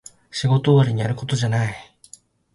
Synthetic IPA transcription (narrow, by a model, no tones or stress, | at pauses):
ɕiɡo̞t̪oːβaɾʲiɲ̟iaɾɯ̟ko̞t̪o̞ʑanai